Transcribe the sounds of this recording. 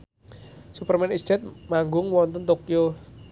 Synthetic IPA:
supərmɛnisd͡ʒɛt̪̚maŋɡʊŋwɔnt̪ənt̪okjo

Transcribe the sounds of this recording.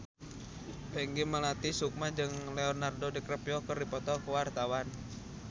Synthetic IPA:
bɛŋɡiməlat̪isuk̚mad͡ʒɨŋleɔnardodikɾəpjɔkərdipɔt̪ɔkəwart̪awan

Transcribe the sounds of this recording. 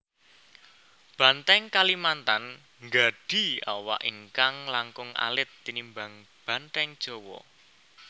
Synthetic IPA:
b̥ä̤nt̪ɛŋkalimant̪an | ŋɡa̤ɖ̥i̤awa̰ʔiŋkaŋlaŋkʊŋa̰lɪt̪ːinimbaŋ | b̥a̤nt̪ɛŋd̥ʒ̥o̤wɔ̰

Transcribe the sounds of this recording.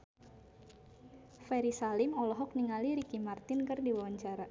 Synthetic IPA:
fɛɾisalɪmɔlɔɦɔk̚niŋaliɾikimart̪ɪnkɨrdiwawaɲt͡ʃaɾa

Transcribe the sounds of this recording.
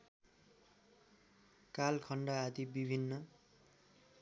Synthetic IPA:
kalkʰʌɳɖʌad̪ibibʱinːʌ

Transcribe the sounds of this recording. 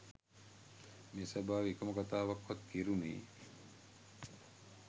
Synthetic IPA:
meːsabaːʋikoməkat̪aːʋakːat̪kiɾunḭː

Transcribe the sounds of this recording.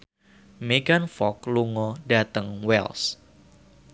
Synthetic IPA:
meɡanfɔkluŋɔdat̪əŋwɛ̰ls

